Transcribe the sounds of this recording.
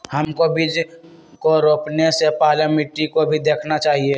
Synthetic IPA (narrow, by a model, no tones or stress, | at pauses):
həmkobʱid͡ʒ | koɾoːpnesepaːlamɪʈɾikobʱid̪eːkʰnat͡ʃaːɦie